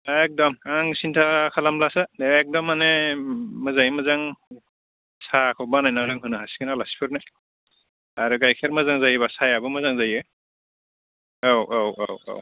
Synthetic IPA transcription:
ek̚dɔmaŋsintʰakʰalamlasaeːk̚dɔmːanemɯzajmɯzaŋ | sakʰɔwbanajnaɾɯŋɦɯnɯɦasi̥kʰɯnalasi̥pʰɯɾnaj | aɾuɡajkʰeɾmɯzaŋzajbasajabɯmɯzaŋzajɯ | awʔowawo̰w

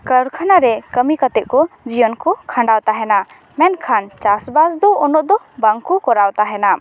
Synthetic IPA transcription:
kəɾkʰanaɾɛkəmikat̪ɛʔkɔd͡ʒijɔnkɔkʰaɳɖawt̪aɦɛna | mɛnkʰant͡ʃasbasd̪ɔɔnɔʔd̪ɔ | baŋkukɔɾawt̪aɦɛna

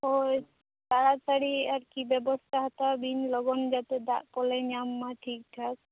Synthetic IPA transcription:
oj | t̪aɽat͡ʃaɽiaɾkibɛbɔst̪ʰaɦɔt̪abinlɔɡɔnd͡ʒat̪ed̪aʔkɔlenamːaʈʰik̚ʈʰak̚

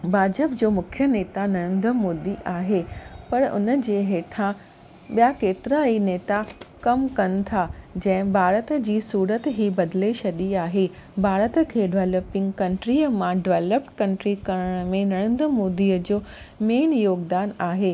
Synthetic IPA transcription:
bʱaːd͡ʑəpd͡ʑoːmʊkʰjəneːt̪anɐɽ̃ə̃nd̪ɾəmoːd̪iʔaːɦepɐɾʊ̰nəd͡ʑeːɦeːʈʰã | ɓijakeːt̪ɪɾaineːt̪akɐmkɐnɪ̆t̪ʰad͡ʑɐ̃ɦɪ̃bʱaːɾət̪d͡ʑiːsuːɾət̪ɦibɐd̪leʃɐɗiaːɦe | bʱaːɾət̪kʰeːɖɪʋeːləpɪ̃ŋɡkɐ̃ɳʈɾiːəmãɖɪʋeːləpʈkɐ̃ɳʈɾikɐəɽ̃əmẽnɐɽ̃ɪ̃nd̪ɾəmoːd̪iːəd͡ʑoː | meːnjoːɡd̪aːnaːɦeː

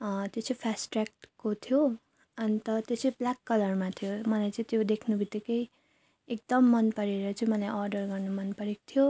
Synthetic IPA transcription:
t̪jot͡sʌpʰasʈrak̚ʈkot̪ʰijo | ʌnit̪ʌt̪jot͡sʰʌ̃jblakːʌlʌrmat̪ʰijomʌlajt͡sʌ̃ĩt̪jod̪ekʰnubʱit̪ːikʌj | ek̚d̪ʌmːʌnpʌɾeɾʌt͡sʌĩmʌlajʔʌrɖʌrɡʌrnumʌnpʌɾeko̥t̪ʰijo

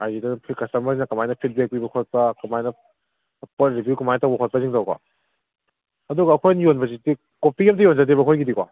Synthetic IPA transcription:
ajzidɐnpʰikɐsɐmɐɾinɐkɐmajnɐpʰit̚bek̚pibɐkʰot̚pɐkɐmajnɐ | pot̚ɾibjukumajtabakʰot̚pɐziŋtawkwa̰ | ɐduɡɐːkʰojnjonbɐziti | kopʰiɐmtɐjond͡ʒat̬ibɐkʰojɡidikwa̰

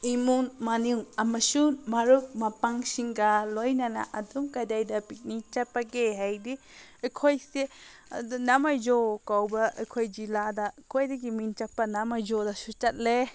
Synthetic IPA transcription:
imunmaniwɐmɐsumaɾuk̚mɐpaŋsiŋɡɐlojnɐna̰ʔɐduŋkajdajdɐpit̚nit͡ʃɐpːɐɡeɦajdi | ɐkʰojse | namajd͡ʒokawbɐʔɐ̰kʰojd͡ʒiladɐkʰojdɐɡimint͡ʃɐpːɐnamajd͡ʒodɐsut͡ʃɐt̚le

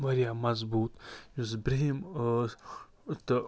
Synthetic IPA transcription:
ʋɐɾijamɐzbuːt̪jusbɾeɦim | t̪

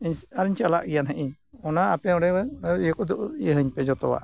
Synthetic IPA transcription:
iɲaɾiɲt͡ʃala̰ʔɡijanɦəʔiɲ | ɔnaapɛɔɽɛwjɔkɔd̪uʔɦəɲpɛd͡ʒɔt̪ɔwa̰ʔ

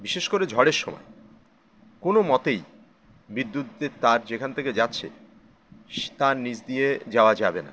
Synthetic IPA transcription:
biʃeʃkoɾed͡ʑʱɔɽeɾʃɔmɔ̰e | konomɔt̪ej | bid̪ːut̪̚d̪eɾt̪aɾd͡ʑekʰanet̪ʰeked͡ʑatːɕʰḛ | t̪aɾnid͡ʑd̪ijed͡ʑaoad͡ʑabena̰

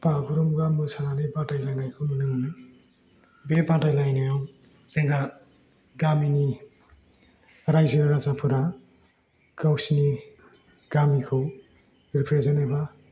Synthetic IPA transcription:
pakʰuɾɔmuɡamɯsananipatajlajnajkʰɯmɯnɯŋɯnɯ | bepãtajlajnajɔw | zeŋɡa | ɡamini | ɾajziɾaɾazapʰɯɾa | kawsini | ɡ̥amikʰɯw | ɾipʰɾezenaba

